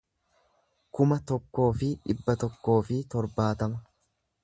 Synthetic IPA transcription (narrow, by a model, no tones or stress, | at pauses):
kʊmɐt̪ɔkːo̞ːfɪᶑɪbːɐt̪ɔkːo̞ːfɪt̪ɔɾbaːt̪ɐmɐ